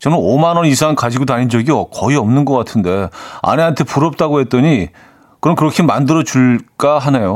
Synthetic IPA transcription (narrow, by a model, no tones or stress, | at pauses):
t͡ɕʌnɯnomanwʌnisʰaŋnkad͡ʑiɡodaɲind͡ʑʌɡiʌkʌiʌmnɯnɡʌk͈atʰɯnde̞a̰ne̞ɦantʰe̞puɾʌp̚t͈aɡoɦe̞t͈ʌɲi | kɯɾʌnkɯɾʌkʰimandɯɾʌt͡ɕuɭk͈aɦane̞jo